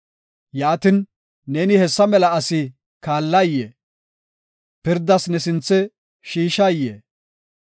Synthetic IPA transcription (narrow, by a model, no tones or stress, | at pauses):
jaːt̪ɪn | neːnɪhɛsːɐmɛlɐɐsɪ | kaːlːɐjːeː | pɪɾd̪ɐsnɛsɪnt͡sːɛ | ʃiːʃɐjːḛː